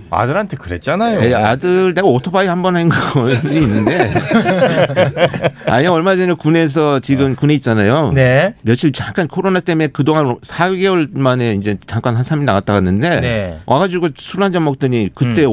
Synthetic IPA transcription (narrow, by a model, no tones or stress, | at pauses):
a̰dɯɾɦantʰe̞kɯɾe̞̰t̚t͡ɕ͈anajojeadɯɾne̞ɡaotʰopaihambʌnɦainɡniːnːɯnde̞ | a̰ɲiaʌɭmad͡ʑʌɲʌkune̞s̬ʰʌt͡ɕiɡɯmkune̞it̚t͡ɕ͈anajonemjʌɕʰit͡ɕaŋk͈ankʰoɾonat͈e̞me̞kɯdoŋansʰaɡewʌɭmane̞ind͡ʑe̞t͡ɕaŋk͈anɦansʰaminawat͈̚aɣanːɯnde̞nwʔa̰ɡad͡ʑiɡosʰuand͡ʑʌmʌk̚t͈ɯɲikɯt͈e̞